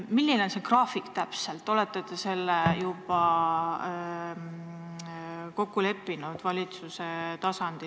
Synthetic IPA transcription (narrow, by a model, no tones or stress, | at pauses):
milːinnse̞krɑːfikt̪æpse̞lt̪ːˑo̞let̪ːˑet̪ese̞lːejub̥ɑ | ko̞kːule̞pːinud̪̥vɑlʲit̪suset̪ɑsɑnd̪̥i